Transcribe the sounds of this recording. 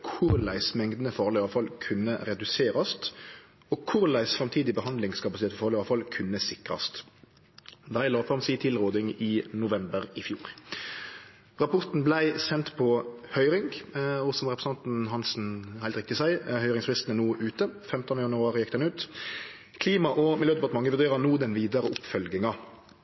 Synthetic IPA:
kʰʊʁlæɪsmɛŋd̪nəfɑːʁlɪɑʋfɑlkʰʉnːəʁɛd̪ʉseːɾɑst̪ | oːkʰʊɾlæɪssɾɑmt̪ʰiːd̪ɪbəhɑnd̪lɪŋskʰɑpɑsɪt̪eːt̪əfɑːʁlɪɑʋfɑlkʰʉnːəsɪkʁɑ̰st̪ | d̪æɪlɑːfʁɑmsiːt̪ʰɪlʁoːd̪ɪŋɪːnʊʋɛmbəɾɪfjuːɾ | ʁɑpʰɔʁt̪n̩blæɪsɛnt̪pʰɔhœʏɾɪŋɡɔsɔm̩ʁɛpɛsn̩ʰɑnt̪n̩ɦɑnsn̩hæɪt̪ʁɪkt̪ɪsæɪhœʏʁɪŋsfʁɪst̪ənənuːʔʉːt̪əfɛmt̪ɔnəjɑnʉɑːʁɪjɛkt̪ɛnʉːt̪ | kʰliːmɑʔɔmɪljøːd̪ɛpɑt̪əmɑŋːəʋʉʁd̪eːɾɑnuːd̪ɛnʋiːd̪ɑʁəʊpfœlɡɪŋɑ

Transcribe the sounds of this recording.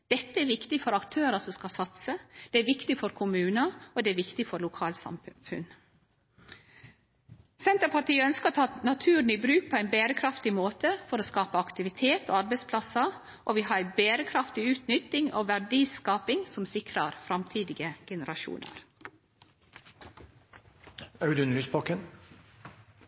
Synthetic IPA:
d̪̥ɛt̪ːəæɾʋɪkt̪ɪfɔɾɑkt̪ʰøːɾəsɔmskɑsɑt̪səd̪̥ɛæɾʋɪkt̪ɪfɔɾkʰʊmʉːnəɔd̪ɛæɾʋɪkt̪ɪfɔɾlʊkʰɑːlsɑ̰mfʉ̰n | sɛnt̪əpɑʈiːəœnskəɾot̪ʰɑːnɑt̪ʰʉːɾɳɪbɾʉːk̚pʰɔæɪnbeːɾəkʰɾɑft̪ɪmoːt̪əfɔɾoːskɑːpəɑkt̪ɪʋɪt̪ʰeːt̪o̰ːɑɾbɛɪspʰlɑsə | ʔoʋiːɦɑːɾæɪbeːɾəkʰɾɑft̪ɪʉːt̪nʏt̪ːɪŋo̰ːʋæɖiːskɑːpɪŋsɔmsɪkɾɑɾfɾɑmt̪ʰiːd̪ɪɡəɡɛnəɾɑʃṵːnə̰ɾ | œʉd̪ʉnəlyːspʰɔkən

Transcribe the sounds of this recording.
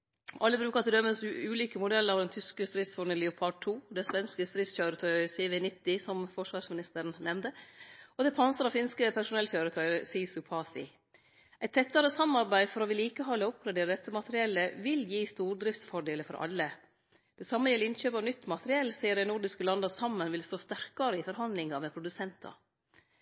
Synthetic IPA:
ʔɑlːəbɾʉːkɑt̪ɪld̪œmːəsʉːliːkəmʊd̪ɛlːəɾɑʋd̪ɛnt̪ʰʏskəst̪ɾɪt̪sfɔɳɪlɪʊpʰɑd̪̚t̪ʰːuːd̪ɛsʋɛnskəst̪ɾɪt̪sçøːɾət̪ʰœʏseːʋenɪt̪ːɪsɔmfɔʂʋɑːʂmɪnɪst̪əɾənnɛmd̪əɔd̪ɛpʰɑnsəɾɑfɪnskəpʰæʂʊnɛlçøːɾət̪ʰœʏsiːsʉpʰɑːsɪ̰ | ʔɛɪt̪ʰːɛt̪ːɑɾəsɑmːɑɾbæɪfɔɾɔʋɪliːkəɦɑːlʊp̚ɾɛd̪eːɾəd̪ɛt̪ːəmɑt̪əɾɪɛlːəʋɪljiːst̪uːɾd̪ɾɪft̪sfɔɖeːləfɔ̰ɾʔɑ̰lːə | d̪̥ɛsɑmːəjɛlɪnçøːpɑʋnʏt̪ːmɑt̪əɾɪɛlːsiːəɖæɪnʊɾɖɪskəlɑnd̪ɑsɑmːənʋɪlst̪oːst̪æɾkɑɾəɪfɔɾɦɑnd̪lɪŋɑmɛpʰɾʊd̪ʉsɛnt̪ʰɑ̰

